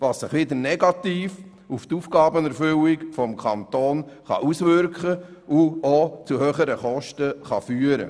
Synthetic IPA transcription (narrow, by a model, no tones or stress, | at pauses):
ʋɑːssɪχʋɪd̪ənɛɡɑt̪iːf | uft̪uːfɡɑːbənɛɾfʏwikfɔmkʰɑnt̪oːnχɑ̰ʔusʋʏɾkχəʔuot͡suhøːχəɾəχɔʃtəχɑ̰fyːəɾə̰